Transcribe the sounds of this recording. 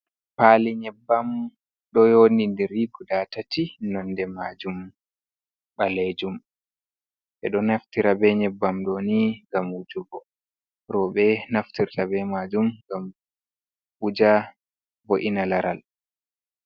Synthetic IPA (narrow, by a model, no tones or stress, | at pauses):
paliɲɛbːam | ɗɔjonindiɾiɡudatatinɔndɛmad͡ʒum | ɓaled͡ʒum | ʔɛ̰ɗɔnaftiɾabɛɲɛbːamɗoniŋɡamud͡ʒuɡɔ | ɾɔɓɛnaftiɾtabɛmad͡ʒumɡam | ud͡ʒa | boʔinalaɾal